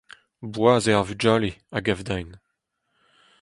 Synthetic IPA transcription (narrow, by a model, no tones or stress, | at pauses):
bwaːzeaʁvyd͡ʒaːleaɡavd̪ajn